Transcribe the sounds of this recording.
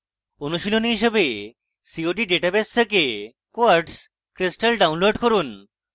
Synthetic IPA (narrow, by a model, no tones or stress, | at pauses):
onuʃilonɦiʃebe | sioʈ̬iɖeʈabest̪ʰeke | koaɾɖs | kɾisʈelɖawnloɖkoɾun